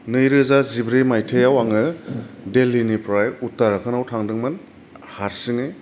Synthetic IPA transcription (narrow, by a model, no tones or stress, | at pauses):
nɯjɾɯzazibɾemajtʰejawaŋɯdelːinipɾajutːaɾakʰɯnawtʰaŋdɯŋmɯn | haɾsɯŋɯ